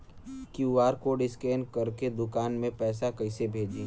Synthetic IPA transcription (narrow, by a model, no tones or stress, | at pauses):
kjuuʋaːɾkoːɖɪskeːnkɐɾked̪ʊkaːnmẽpɛːsakɐɪsebʱeːd͡ʒeː